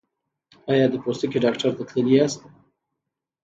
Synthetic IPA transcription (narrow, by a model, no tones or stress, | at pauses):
ɑjɑd̪əpost̪əkeɖɑkʈaɾt̪at̪ʰləliast̪